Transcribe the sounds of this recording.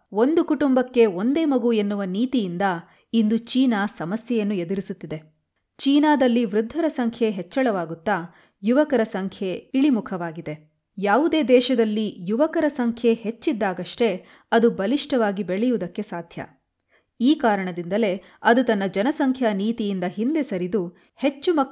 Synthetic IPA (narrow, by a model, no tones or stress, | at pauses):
o̞nd̪ukuʈumbɐkːe̞o̞nd̪e̞ːmɐɡue̞nːuʋɐniːt̪ijind̪ɐ | ind̪ut͡ʃiːnaːsɐmɐsjɛjɐnːued̪uɾisut̪ːid̪e̞ | t͡ʃiːnaːd̪ɐlːiʋɾud̪ʱːɐɾɐsɐŋkʰjeɦet͡ʃːɐɭɐʋaːɡut̪ːaː | juʋɐkɐɾɐsɐŋkʰjeiɭimukʰɐʋaːɡid̪e̞ | jaːʋud̪e̞ːd̪ɛːʃɐd̪ɐlːijuʋɐkɐɾɐsɐŋkʰje̞het͡ʃːid̪ːaːɡɐʂʈe̞ | ɐd̪ubɐliʂʈɐʋaːɡibeɭɛjud̪ɐkːe̞saːd̪ʱjɐ̰ | iːkaːɾɐɳɐd̪ind̪ɐle̞ | ɐd̪ut̪ɐnːɐd͡ʒɐnɐsɐŋkʰjɐniːt̪ijind̪ɐɦind̪esɐɾid̪u | he̞t͡ʃːumɐ